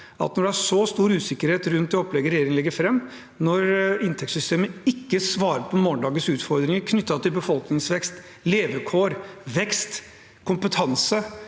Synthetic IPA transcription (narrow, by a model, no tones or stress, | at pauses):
ɑ̰t̪nɔɖɛæʂɔst̪uːɾʉːsɪkːəɾheːt̪ɾʉnt̪̚ɛɔpːlɛɡəɾɛjeːɾɪŋənlɛɡːəɾfɾɛmː | nɔɾɪnt̪ʰɛkt̪sʏst̪eːməɪkːəsʋɑːɾəpʰɔmoːnd̪ɑːɡəsʉːt̪fɔɾd̪ɾɪŋəɾkʰnʏt̪ːɑt̪ʰɪlbəfɔlknɪŋsʋɛkst̪ | leːʋəkʰoːɾʋɛkst̪ | kʰʊmpət̪ʰɑnsə